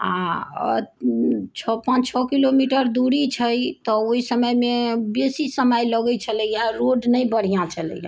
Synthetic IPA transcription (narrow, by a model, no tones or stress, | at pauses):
a̰ | t͡ʃʰɔpãt͡ʃt͡ʃʰɔkilomiʈəɾd̪uɾit͡ʃʰəjt̪ɔoisəməjmebesisəməjləɡət͡ʃʰələjaɾoɖnəjbəɽ̤ijãt͡ʃʰələ̰jã̰